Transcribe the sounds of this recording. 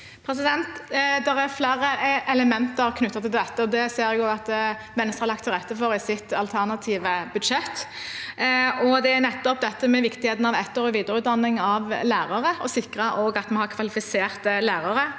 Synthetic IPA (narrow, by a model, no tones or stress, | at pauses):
pʰɾɛs̬ɪd̪ɛnt̪d̪ɛɾæɾflæːɾəɛləmɛnt̪əɾkʰnʉt̪ːɑt̪ʰɪld̪ɛt̪ːəd̪ɛseːɾɛɡoːɡɑt̪ | ʋɛnːəst̪ɾʁɑlɑkt̪ʰːɪɾɛt̪ːəfɔɾɪsɪt̪ɑlt̪ʰæʁnɑt̪ʰiːʋəbʉd̪ʃɛt̪ː | ɔd̪ɛæɾnɛt̪ːɔp̚d̪ɛt̪ːəmɛʋɪkt̪ɪheːt̪ən̩ɑʋɛt̪ːoːɾɪʋiːd̪əɾʉːt̪̚d̪ɑnːɪŋɑʋlæːɾɑʁəɔsɪkʁɑʔoːɡɑt̪mɑnhɑɾkʰʋɑlɪfɪseːʁt̪əlæːʁɑɾə